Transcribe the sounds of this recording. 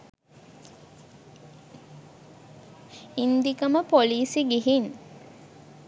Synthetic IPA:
ind̪ikəməpoliːsiɡiɦin

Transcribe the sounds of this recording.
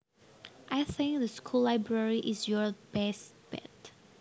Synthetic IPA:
ʔajθɪ̃ŋk̚ðəskʰulaɪbɹɛɹiʔɪsjɔɹbɛst | b̥ɛ̰t

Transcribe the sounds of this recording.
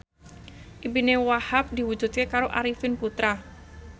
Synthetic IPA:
ʔibinewahap̚d̪iwu̥d͡ʒut̪̚kekaɾoʔaɾifɪnput̪ɾa

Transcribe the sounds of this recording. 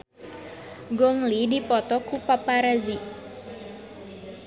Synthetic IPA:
ɡɔŋlidipɔt̪ɔkupapaɾazi

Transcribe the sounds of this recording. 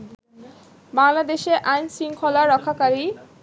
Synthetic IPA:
baŋlad̪eʃeʔajnsiŋkʰɔlaɾɔkʰːakaɾi

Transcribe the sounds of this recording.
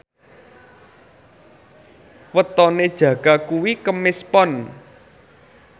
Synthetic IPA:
wət̪ɔned̥ʒ̥ä̤ɡ̥akuwikəmɪspɔn

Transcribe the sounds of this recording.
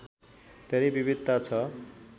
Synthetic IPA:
d̪̥ʱeɾejbibid̪ːat͡sʰʌ

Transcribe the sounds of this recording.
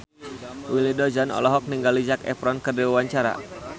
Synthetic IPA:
wilidɔd͡ʒanɔ̰lɔɦɔk̚niŋɡalid͡ʒakɛ̰pɾɔnkərdiwawaɲt͡ʃaɾa̰

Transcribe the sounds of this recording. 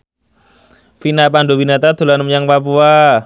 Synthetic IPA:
finapanɖowinat̪ad̪̥o̤lanəmɲaŋpapua

